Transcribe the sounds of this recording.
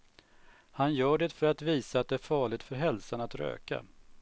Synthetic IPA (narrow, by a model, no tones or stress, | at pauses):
hanjœːɖɛt̪fœɾat̪viːsaat̪̚d̪ɛæːɾfɑːɭɪɡt̪fœɾɦɛlsanat̪ɾø̰ːka̰